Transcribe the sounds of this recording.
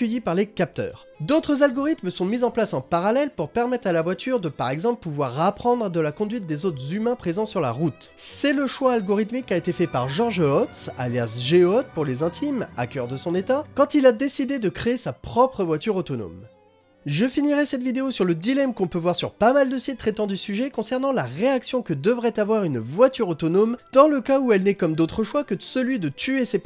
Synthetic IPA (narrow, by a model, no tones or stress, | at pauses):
əjipaʁlekap̚t̪œ̰ːʁ | d̪ot̪χəzalɡɔʁit̪msɔ̃mizɑ̃plasɑ̃paʁalɛlpuʁpɛʁmɛt̪χalavwat̪yʁd̪əpaʁɛɡzɑ̃plpuvwaʁːapχɑ̃d̪ʁəd̪əlakɔ̃d̪ɥit̪̚d̪ezot̪χəzymɛ̃pχezɑ̃syʁla̰ʁut̪sɛləʃwaalɡɔʁit̪mikːaet̪efɛpaʁʒɔʁʒɔt̪sa̰ljasʒeɔt̪̚puʁlezɛ̃t̪ʰima̰kʲœʁd̪əsɔ̃net̪akɑ̃t̪ilad̪esid̪ed̪əkχeːsapχɔpχəvwat̪yʁot̪ɔno̰m | ʒəfiniʁɛsɛt̪vid̪eosyʁləd̪ilɛmkɔ̃pøvwaʁsyʁpamald̪əsit̪ːχet̪ɑ̃d̪ysyʒɛkɔ̃sɛʁnɑ̃laʁeaksjɔ̃kəd̪əvʁɛt̪avwaʁynvwat̪yʁot̪ɔnomd̪̥ɑ̃ləkauɛlnɛkɔmd̪ot̪χəʃwakəəsəlɥid̪ət̪yesep